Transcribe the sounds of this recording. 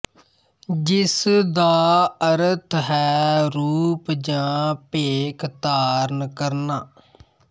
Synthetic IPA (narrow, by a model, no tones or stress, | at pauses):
d͡ʒɪsd̪aːəɾət̪ʰɦɛːɾuːpd͡ʒãːpeːkʰt̪aːɾnkəɾnaː